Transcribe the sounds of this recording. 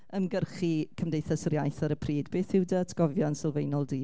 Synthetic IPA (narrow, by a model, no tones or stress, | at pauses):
əmɡərχikʰəmdejθasrjajθaɾəpʰriːdbeːθɪwdətʰɡ̥ɔvjansɪlˠvejnɔlˠdiː